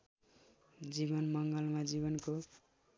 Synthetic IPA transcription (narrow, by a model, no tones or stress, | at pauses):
d͡ʒibʌnmʌŋɡʌlmad͡ʒiβʌnko